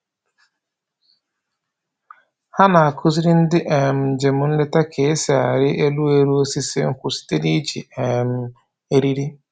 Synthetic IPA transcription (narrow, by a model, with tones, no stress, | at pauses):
ha˦na˨a˨kʰʊ˦zi˦ɾi˦n̩˦dɪ˦ʔe˨m̩˨d͡ʒe˨mʊ˨n̩˦le˦ta˦kʰe˨˦se˨a˨ɾɪ˦ʔe˦lu˦e˦ɾu˦o˦si˦sɪ̰˦ŋ̩˦kʷʊ˨si̥˦te˦di˦d͡ʒḭ˨e˨m̩˦ | e˦ɾi˦ɾi˦